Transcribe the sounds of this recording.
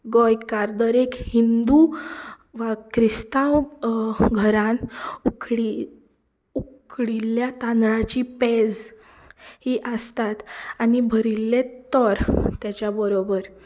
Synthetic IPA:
ɡɔjkaɾd̪əɾekhind̪u | ʋakɾist̪ãw | ɡʱəɾãnukɽi | ukʰɽilːjat̪ãnd̪ɾat͡ɕiped͡z | hiʔəst̪at̪anibʱəɾilːet̪əɾt̪jat͡ɕjabəɾobəɾ

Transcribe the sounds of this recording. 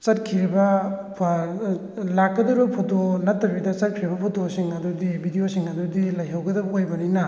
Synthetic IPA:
t͡ʃɐt̚kʰiɾibɐpʰ | lakːɐdɐɾbɐpʰotonɐtːɐbidɐt͡ʃɐt̚kʰiɾibɐpʰotosiŋɐdudibʱidiosiŋɐdudilɐjɦɐwɡɐdɐbɐojbɐninɐ

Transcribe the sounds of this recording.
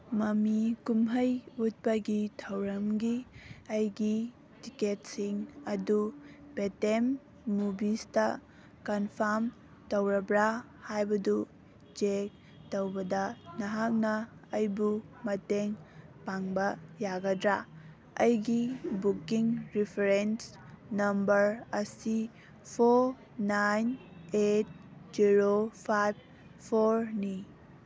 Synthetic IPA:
mɐmikumɦɐjut̚pɐɡitʰɐwɾɐmɡiɐjɡi | tiket̚siŋɐdub̥etenː | ubistɐ | kɐnpʰaɾm | tɐwɾɐbɾa | hajbɐdu | d͡ʒek̚ | towbɐdɐnɐɦak̚nɐːjbumɐteŋpaŋbɐjaɡɐdɾa | ɐjɡibukiŋɾipʰeɾens | nɐmbɐɾɐsi | pʰoɾ | najnet̚ | ziɾopʰajb̚ | pʰoɾni

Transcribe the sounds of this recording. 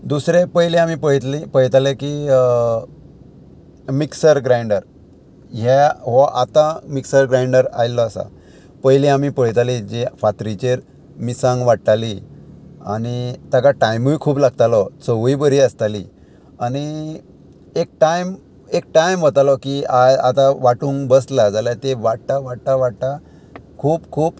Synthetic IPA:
d̪usɾepəjlẽamipəɭt̪lipəɦt̪aleki | miksəɾɡɾajɳɖəɾ | ɦɛɦɔʔat̪amiksəɾɡɾaiɳɖəɾa̰jlːɔasa̰ | pəɦjlẽamipəɭ̤t̪alid͡ʑefat̪ɾit͡ɕeɾ | misãŋɡʋaʈt̪ali | a̰ñit̪akaʈajmujkʰuːplaɡ̚t̪alɔt͡səʋuibəɾiːəst̪alḭ | añi | ek̚ʈajm | ek̚ʈajmʋət̪alɔkiaja̰t̪aʋaʈũːŋɡbəslad͡zalat̪eʋaʈt̪aʋaʈt̪aʋaʈt̪a | kʰuːpkʰuːp

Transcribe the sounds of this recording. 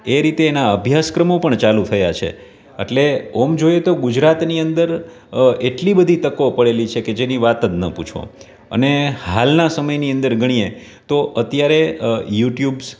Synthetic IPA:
eɾit̪eːnaəbʱjaskɾəmopəɳt͡ʃalut̪ʰəjat͡ʃʰḛ | ḛʈleomd͡ʒojet̪oɡud͡ʒɾat̪niənd̪əɾ | eʈlibəd̪ʱit̪əkopəɭelit͡ʃʰeked͡ʒeniʋat̪əd̪nə̰put͡ʃʰõ̰ | ə̰nehalnasəməjniənd̪əɾɡʱəɽ̃ie | t̪oʔət̪jaɾejuʈjubs

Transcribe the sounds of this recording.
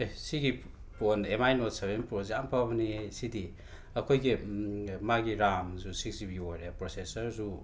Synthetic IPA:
ejsiɡi | ponemajnotseβenpoziampʰabnisidi | ɐkʰojɡimaɡiɾamzusiksibiojɾepɾosesɐɾzu

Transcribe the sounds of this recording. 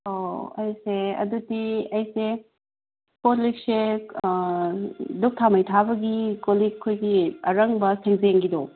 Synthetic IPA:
oɐjseɐ̰dutiɐjse | potlik̚se | duk̚tʰamɐjtʰabɐɡikolikʰːojɡiɐɾɐŋbɐseŋzeŋɡido

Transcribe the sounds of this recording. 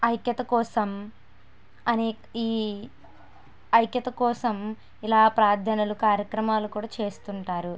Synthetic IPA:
ɐjkjɐt̪ɐkɔːsɐm | ɐneː | iː | ɐjkjɐt̪ɐkɔːsɐm | ilaːpɾaːd̪ʱɐnɐlukaːɾjɐkɾɐmaːlukuːɽaːt͡ʃe̞ːst̪uɳʈaːɾu

